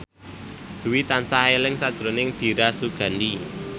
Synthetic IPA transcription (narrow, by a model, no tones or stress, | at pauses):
d̪̥uwit̪ansaɦelɪŋsad̥d̪̥ɾo̤nɪŋd̪̥i̤ɾasuɡ̥a̤ndi